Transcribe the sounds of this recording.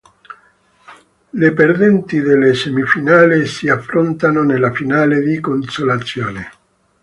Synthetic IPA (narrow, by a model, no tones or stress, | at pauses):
leperd̪ɛnt̪iðelːesemifinaːlisiafːɾont̪anonelafinaːled̪ikonsolat̪sːjo̰ːne